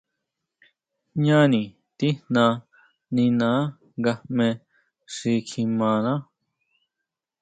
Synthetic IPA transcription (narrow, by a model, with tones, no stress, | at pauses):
ɲã˦nĩ˨ | t̪i˦nnã˧ | nĩ˧nã˨˦ | ɡa˧mẽ˧ | ʂi˧kʰi˧mã˨˧nã˦